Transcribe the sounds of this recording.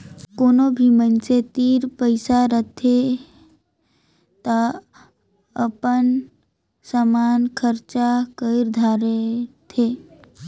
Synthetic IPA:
koːnobʱimənset̪iːɾpəɪsaɾət̪ʰe | t̪a | əpən | səmankʰəɾt͡ʃakəɪɾd̪ʱaɾet̪ʰe

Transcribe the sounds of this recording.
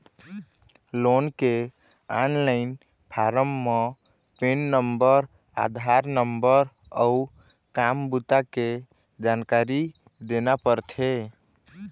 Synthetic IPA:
lonke | anlaɪn | pʰaɾəmːe | penːəmbəɾ | a̰d̪ʱaɾnəmbəɾ | əu | kambut̪ake | d͡ʒankaɾi | d̪enapəɾt̪ʰe

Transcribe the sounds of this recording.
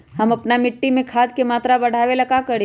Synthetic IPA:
ɦɐmɐpnamɪʈːimẽkʰaːd̪kemaːt̪ɾabɐɽ̤ʱaːʋelɐkakɐɽi

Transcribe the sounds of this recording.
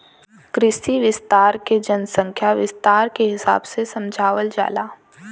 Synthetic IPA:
kɾɪsiʋɪst̪aːɾked͡ʒənsə̃ŋkʰjaʋɪst̪aːɾkeɦɪsa̰ːbsesɐ̃md͡ʒʱaːʋəld͡ʒa̰ːlaː

